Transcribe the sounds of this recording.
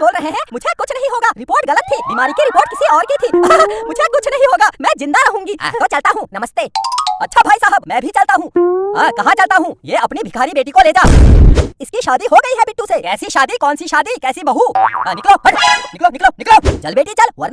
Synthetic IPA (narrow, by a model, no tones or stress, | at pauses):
boːlɾɐɦeɦɛ̃mʊd͡ʒʱekʊt͡ʃʰnɐɦĩɦoːɡaːɾɪpoːɾʈɣɐlət̪ʰːibiːmaːɾikiɾɪpoːɾʈ̚kɪsiɔːɾkit̪ʰiːmʊd͡ʒʱekʊt͡ʃʰnɐɦĩɦoːɡaːmɛ̃ːzɪ̃nd̪aɾɐɦũːŋɡiːt̪oːt͡ʃɐlt̪aɦũnɐməst̪eːɐtːʃʰabʱaːisaːɦəbmɛ̃ːbʱit͡ʃɐlt̪aɦũːɐːkɐɦãt͡ʃɐlt̪aɦũjeːɐpnibʱɪkʰaːɾibeːʈikoleːd͡ʒaː | ɪskiʃaːd̪iɦoɡɐiɦɛbɪʈːũsekɛːsiʃaːd̪ikɔːnsiʃaːd̪ikɛːsibɐɦunɪkloɦɐ̃ɽnɪkloːnɪkloːnɪkloːt͡ʃɐlbeːʈit͡ʃɐlʋɐ̰ɾn